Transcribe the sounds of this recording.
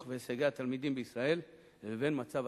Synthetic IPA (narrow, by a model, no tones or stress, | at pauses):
χveːsaɡeat̪almid̪imbeisʁae̞l | leve̞nmat͡sav